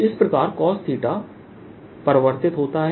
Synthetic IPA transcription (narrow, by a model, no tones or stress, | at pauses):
ɪspɾɐkaːɾkɔːst̪ʰiːʈa | pɐɾʋəɾt̪ɪt̪ɦoːt̪aɦɛ